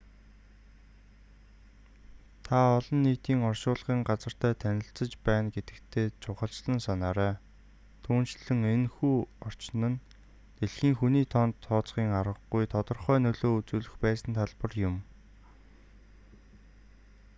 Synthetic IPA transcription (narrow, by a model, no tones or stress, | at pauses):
t̪ʰaɔɮɞ̆nːiːt̪iːŋɔrʃʊːɮʁiːŋɢat͡sə̆r̥t̪ʰæːt̪ʰænʲɪ̆ɬt͡sə̆t͡ɕpæːnɡet̪ɘ̥̆kt̪ʰeːt͡ɕʰʊχə̆ɬt͡ɕɮə̆nsanaːɾæː | t̪ʰuːnt͡ɕɮɘ̆ŋenxuːɔr̥t͡ɕnə̆n | t̪eɮxiːŋxuniːt̪ʰɔnt̪ʰːɔːt͡sχiːŋaɾə̆χɡujt̪ʰɔt̪ɞ̆rχœːnɵɮoːut͡suːɮɵ̆xpæːsə̆nt̪ʰaɮpə̆rjʊm